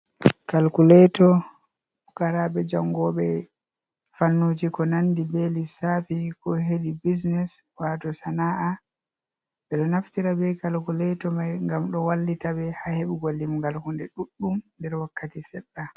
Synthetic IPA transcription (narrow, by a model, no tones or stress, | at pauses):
kalkulɛtɔ | ukaɾaɓɛd͡ʒaŋɡɔɓɛ | fanːud͡ʒikɔnandibelisafikɔɦedibis̬nɛs | waːtɔsanaːʔa | ɓɛɗɔnaftiɾabɛkalkulɛtɔmajŋɡamɗɔwalːitabɛhaheɓɛɡolːimɡalhundɛɗuɗːumndɛɾwakːatisɛɗːa